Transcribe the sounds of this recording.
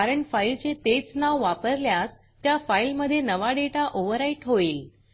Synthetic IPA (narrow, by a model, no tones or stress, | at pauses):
aɾəɳfailt͡ɕet̪et͡snaʋʋapəɾljas | t̪jafailməd̪ʱːjenəʋaɽeʈaʔoʋəɾaiʈɦoiːl